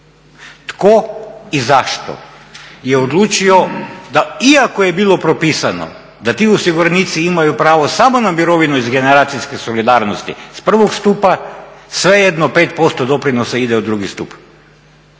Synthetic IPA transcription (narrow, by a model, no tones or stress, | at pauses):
t̪ko̞izaʃt̪o̰ | je̞od̪lˠuːt͡ʃio̞d̪aiakoje̞biːlˠo̞pɾo̞piːsano̰ | d̪at̪iosiɡuɾaniːt̪siimajupɾaːʋo̞samo̞namiɾo̞ʋinuizɡe̞ne̞ɾaːt̪siske̞so̞lid̪aːɾnost̪ḭspr̩ʋo̞ɡst̪upasʋe̞jed̪nopet̪̚po̞st̪o̞d̪o̞pɾinosaid̪eod̪ɾuɡist̪ṵp